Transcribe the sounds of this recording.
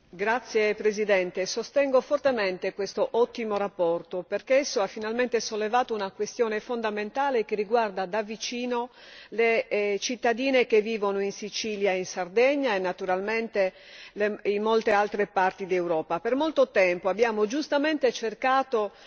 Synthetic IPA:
ɡɾat̪sːjepɾezid̪ɛnt̪esost̪ɛŋɡofort̪ement̪ekwest̪oʔɔt̪ːimorapːɔrt̪operkeesːoafːinalment̪esolːevaːt̪ounakwest̪jɔːnefond̪ament̪aːlekeriɡward̪ad̪avːit͡ʃiːno | let͡ʃit̪ːad̪iːnekevːiːvonoinsit͡ʃiːljaeinsard̪ɛɲːaenːat̪uɾalment̪e | leinmolt̪ealt̪ɾepart̪id̪iewɾɔːpapermolt̪ot̪ɛmpoabːjaːmod͡ʒust̪ament̪et͡ʃerkaːt̪o

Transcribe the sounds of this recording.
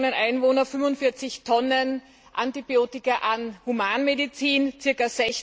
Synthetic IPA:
nənʔaɪnvoːnɐfʏmvʊntfɪɐt͡sɪçtʰɔnən | ʔantibioːtɪkɐʔanhumaːnmedit͡siːnt͡sɪɐkaɐz̥ɛç

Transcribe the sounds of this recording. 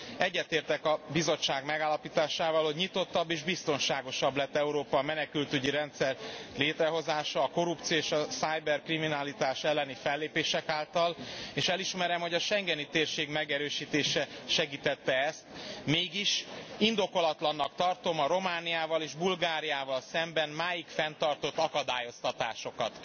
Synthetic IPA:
ɛɟːɛt̪eːrt̪ɛkɒbizo̞t͡ʃːaːɡmɛɡaːlːɒpiːt̪aːʃaːvɒlho̞ɟɲit̪o̞t̪ːɒbːeːʒbist̪o̞nʃaːɡo̞ʃɒblɛt̪ːɛuɾoːpɒmɛnɛkylt̪yɟiɾɛnt̪sɛrleːt̪rɛɦo̞zaːʃɒːko̞ɾup̚t̪sioeːʃɒsajbɛrkriminalit̪aːʃɛlːɛnifɛlːeːpeːʃɛkaːlt̪ɒleːʃɛliʃmɛɾɛmho̞ɟɒʃɛŋɡɛnit̪eːrʃeːɡmɛɡɛɾøːʃiːt̪eːʃɛʃɛɡiːt̪ɛt̪ːɛɛst̪meːɡiʃind̪o̞ko̞lɒt̪lɒnːɒkt̪ɒrt̪o̞mɒɾo̞maːnijaːvɒleːʒbulɡaːɾijaːvɒlsɛmbɛnmaːjikfɛnt̪ɒrt̪o̞t̪ːɒkɒd̪aːjo̞st̪ɒt̪aːʃo̞kɒt̪

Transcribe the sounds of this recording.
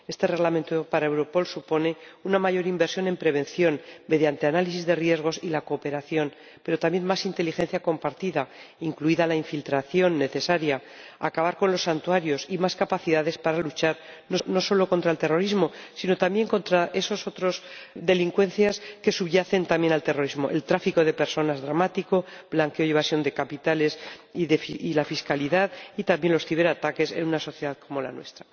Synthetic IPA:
e̞st̪e̞re̞ɣlament̪opaɾaewɾo̞po̞lsupo̞ne̞unamaʝo̞ɾimbe̞ɾsjo̞ne̞mpɾe̞β̞e̞nθjo̞nme̞ðjant̪e̞analisizðe̞rje̞zɣ̞o̞silako̞ːpe̞ɾaθjo̞n | pe̞ɾo̞t̪amje̞nmasint̪e̞lixe̞n̟θjako̞mpaɾt̪iðaiŋkluiðalaiɱfilt̪ɾaθjo̞nːe̞θe̞saɾja | akaβ̞aɾko̞nlo̞sːant̪uaɾjo̞simaskapaθiðaðe̞spaɾalut͡ʃaɾno̞no̞so̞lo̞ko̞nt̪ɾaelt̪e̞ro̞ɾizmo̞sino̞t̪ambje̞ŋko̞nt̪ɾaʔe̞so̞so̞t̪ɾo̞zd̪e̞liŋkwẽ̞n̟θjaske̞suβʝaθe̞nt̪amje̞nalt̪e̞ro̞ɾizmo̞ʔe̞̰lt̪ɾafiko̞ð̞e̞pe̞ɾso̞nazðɾamat̪iko̞blaŋkeoiβ̞asjo̞nd̪e̞kapit̪ale̞sðefiilafiskaliðaðit̪ambje̞nlo̞sθiβe̞ɾat̪ake̞se̞̰nunaso̞θje̞ðaðkʰo̞mo̞la̰nwe̞̰st̪ɾa

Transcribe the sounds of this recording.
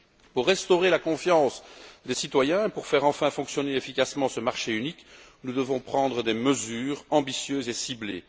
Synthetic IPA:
puʁːɛst̪ɔʁelakɔ̃fjɑ̃sd̪esit̪wajɛ̃puʁfɛʁɑ̃fɛ̃fɔ̃ksjɔneefikasmɑ̃səmaʁʃeynik | nud̪əvɔ̃pχɑ̃d̪ʁəd̪eməzyːʁɑ̃bisjøzesiblḛ

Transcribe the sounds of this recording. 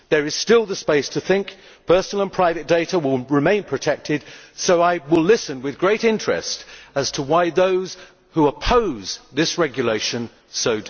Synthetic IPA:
ðə˞ɨz̥stɪlˠðəspeɪstʰɨθɪ̃ŋk | pʰɜ˞sn̩l̩ˠə̃npʰɹ̥aɪvɨt̚d̥eɪɾəwɪlˠɹɨmẽɪ̃npʰɹ̥ɨtʰɛk̚tʰɨd̥soʊaɪwɪlɪsɨ̃nwɨðɡɹeɪɾɪ̃nt͡ʃɹ̥ɨ̰stɨz̥tʰəwaɪðoʊz̥ | huəpʰoʊz̥ðɪsɹɛɡjɨleɪʃɨ̃n | soʊ

